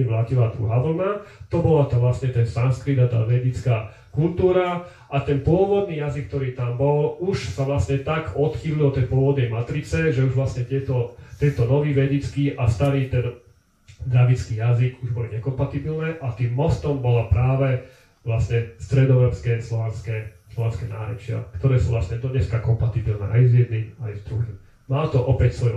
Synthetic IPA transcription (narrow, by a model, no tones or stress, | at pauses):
iʋlaːcilad̪ɾṵɦaːʋl̩nat̪ɔbɔlat̪ɔʋlasɲɛt̪ɛnsanskɾid̪at̪a̰ːʋɛɟɛt͡skaː | kult̪uːɾa | ʔat̪ɛnpʊɔʋɔd̪̚niːjazikːt̪ɔɾiːt̪ambɔluʃsaʋlasɲɛt̪aɡɔt̪xiːlilɔt̪ɛjpʊɔʋɔd̪̚nɛjmat̪ɾit͡sɛʒɛuʒʋlasɲɛt̪ɪɛt̪ɔt̪ɛnt̪ɔnɔʋiːʋɛɟɛt͡skiːʔast̪aɾiːt̪ɛn | d̪ɾaʋit͡skiːjaziɡuʒbɔliɲɛkɔmpat̪ibilnɛːʔat̪iːmːɔst̪ɔmbɔlapɾaːʋɛ | ʋlasɲɛst̪ɾɛd̪ɔɛɾɔpskɛslɔʋɛnskɛːslɔʋɛnskɛna̰ːɾɛ̰t͡ʃɪa̰kt̪ɔɾɛːsuʋlasɲɛd̪ɔɲɛskakɔmpat̪ibilnɛ̰ːʔajzjɛd̪nimajzd̪ɾuɦim | malt̪ɔʔɔpɛcsʋɔj